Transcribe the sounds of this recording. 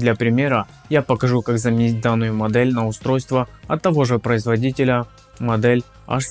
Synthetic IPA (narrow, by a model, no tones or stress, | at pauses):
d̪lʲɐpɾʲɪmʲe̞ɾə | japəkɐʐukakzəmʲɪnʲit̚ʲd̪anːʊjʊmɐd̪ɛlʲnəʊst̪ɾo̞jst̪vəɐt̪ːɐvo̞ʐɨpɾəɪzvɐdʲitʲɪlʲə | mɐd̪ɛlʲ | ɐ̰ʂ